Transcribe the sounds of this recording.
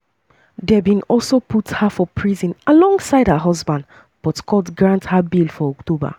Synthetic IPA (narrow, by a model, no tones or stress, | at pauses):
dɛbĩnɔlsoputhafɔpʰɹizĩnalɔ̃ŋɡsaɪdhaɦɔzbãnd | b̥ɔtkʰɔtɡɹãnthabilfɔɔktoba̰